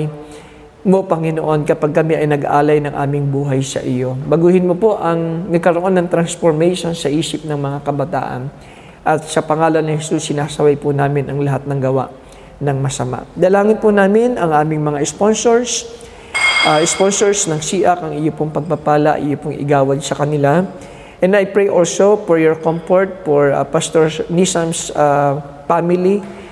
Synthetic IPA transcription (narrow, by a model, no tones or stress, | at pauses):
j | mo̞pɐŋɪnoʔo̞nkɐpaɡ̚kɐmɛʔɐjnɐɡʔaːlɐjnɐŋʔa̰ːmɪŋbuːɦɐjsɐ̰ʔɪjo̞bɐɡuːhɪnmo̞po̞ʔɐŋnɐɡ̚kɐɾoʔo̞nːɐŋt̪ɾɐnsfoɹmɛjʃo̞nsɐʔiːsɪp̚nɐŋmɐŋakɐbɐt̪a̰ːʔɐ̰n | ʔɐt̪̚sɐpɐŋaːlɐnnɪhɛsusːɪnaːsɐwajpʊnaːmɪnʔɐŋlɐɦat̪̚nɐŋɡɐwa̰ʔ | nɐŋmɐsɐma̰ʔd̪ɐlaːŋɪnpʊnaːmɪnʔɐŋʔaːmɪŋmɐŋaʔɛsponsoɹs | ʔʔɛspo̞nsoɹsnɐŋsiːʔɐkɐŋɪjopʊŋpɐɡ̚pɐpaːlɐ̰ʔɪ̰jopoŋʔɪ̰ɡaːwɐɡsɐkɐnɪla | ʔɛnd̪ɐjpɹejʔolso̞foɹjoɹkomfoɹt̪̚foɹ̰past̪oɹnisɐmsa | famɪli